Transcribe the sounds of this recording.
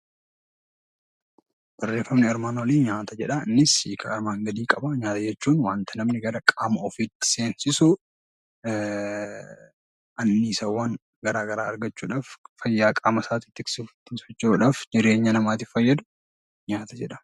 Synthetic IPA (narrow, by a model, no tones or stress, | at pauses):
b̥ɐrːe̞ːfːɐmnɪɐɾmaːnoːliːɲaːt̪ɐd͡ʒɛᶑɐɪnːɪsiːkʰɐɐɾmaːŋɡɐd̪iːkʼɐbɐɲaːt̪ɐd͡ʒɛt͡ʃːuːnwaːnt̪ɐnɐmnɪɡɐɾɐkʼaːmɐɔfiːt̪ːɪ̥se̞ːnsɪsʊ | ɐnːiːsɐwːɐn | ɡɐɾaːɡɐɾa̰ːɐɾɡɐt͡ʃːuːᶑaːffɐjːaːkʼaːmɐsaːt̪ɪt̪ːɪksɪft̪ːɪsɐt͡ʃːuᶑaːfd͡ʒɪɾe̞ːɲːɐnɐmaːt̪ɪfɐjːɐd̪ʊ | ɲaːt̪ɐd͡ʒɛᶑɐ̥